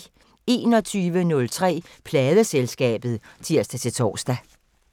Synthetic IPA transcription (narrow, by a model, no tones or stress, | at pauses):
e̝ːnɒ̽t͡sʰyːʋənɔ̽lt͡sʰʁɛ̰ːpʰlɛːðˠəselsɡ̥ɛ̰ːb̥ð̞̩ˠt͡sʰiɐsd̥æt͡sʰe̝t͡sʰɒ̰ːsd̥æ